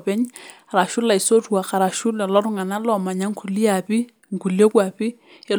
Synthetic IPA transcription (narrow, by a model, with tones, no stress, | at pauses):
pɛ˦ɲa˨ɾa˨ʃʊ˦la˨ɪ˨so˦tu˨a˨ka˨ɾa˨ʃʊ˦lɛ˨lɔ˦ɾʊ˦ŋa˨na˦lɔ˨ma˨ɲa˦ŋ˦kʰu˨li˦a˨pɪ˦ | ŋ˨ku˨ljɔ˦kwa˨pɪ˦ | ɛ˨˦